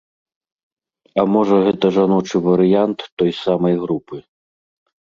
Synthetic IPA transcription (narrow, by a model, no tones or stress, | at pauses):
ɐmɔʐɐɣɛt̪ɐʐanɔt͡ʂɨvɐɾɨjant̪ːɔjsamɐjɣɾupɨ